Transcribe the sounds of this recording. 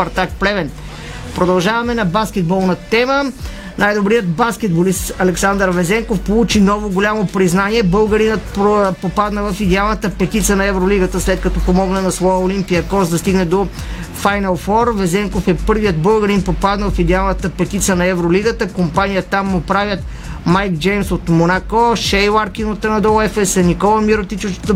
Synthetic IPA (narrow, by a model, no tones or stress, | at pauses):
ɐɾt̪ak̚plɛvɛn | pɾod̪ɐlˠʒavɐmɛnɐbaskʲɛd̪̚bɔlˠnɐt̪ɛmə | najd̪obɾijət̪baskɛd̪̚bolist̪ɐlɛksand̪əɾvɛzɛŋkofpolˠut͡ʃinɔvoɡolʲamopɾiznaniɛbɤlˠɡɐɾinət̪̚ppopad̪nəvɐfid̪ɛalˠnət̪əpɛt̪it̪siənɐɛvɾoliɡət̪əslɛt̪̚kɐt̪ɔpomɔɡnənɐsvɔjəolimpijəkɔzd̪ɐst̪iɡnɛd̪o | fajnɐlˠfɔɾvɛzɛŋkofɛpɤɾvijət̪̚bɤlˠɡɐɾinpopad̪nəvɐfid̪ɛalˠnət̪əpɛt̪it̪siənɐɛvɾoliɡət̪əkompanijət̪amːopɾavʲjət̪ | majkd͡ʒɛjmsot̪monakoʃɛjlaɾkinot̪ːɛnɐd̪ɔɛfɛsɛnikɔlˠəmiɾot̪it͡ʃot̪